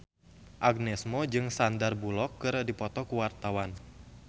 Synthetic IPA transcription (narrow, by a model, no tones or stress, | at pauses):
ʔaɡ̚nɛsmɔd͡ʒɨŋsandarbulɔkːɨrdipɔt̪ɔkuwart̪awan